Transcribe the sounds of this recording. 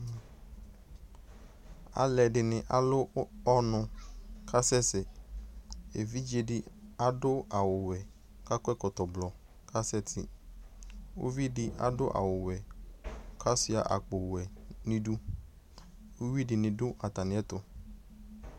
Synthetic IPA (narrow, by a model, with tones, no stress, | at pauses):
a̰˨lɛ˨dɪ˨nɪ̃˨ʔa˨lʊ˦ɔ˦nʊ̃˨kʰa˦sɛ˦sɛ˨ | e˨vi˦d͡ʒe˨dɪ˦a˦dʊ˦a˨wʊ˨wɛ˨ | ka˦kɛ˦kɔ˨tɔ˨blɔ˨ | kʰa˦sɛ˦tʰɪ̰˨ | o̰˦vi˦dɪ˦ʔa̰˦dʊ˦ʔa̰˨wʊ˨wɛ˨ | kʰa˦sɪ˦a̰˨ʔa̰˨k͡pʊ˨wɛ˨nɪ̃˦du˦ | o˦wi˦dɪ˨nɪ̃˨dʊ˦ʔa˨ta˨nɪ̃˨˦ɛ˦t̪ʊ˦